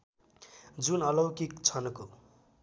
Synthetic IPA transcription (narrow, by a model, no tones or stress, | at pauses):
d͡zunʌlʌwkikt͡sʰʌnko